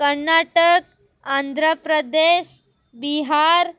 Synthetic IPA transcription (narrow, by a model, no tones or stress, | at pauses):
kəɾnaʈək̚ | and̪ʱɾəpɾəd̪eɕ | biɦaɾ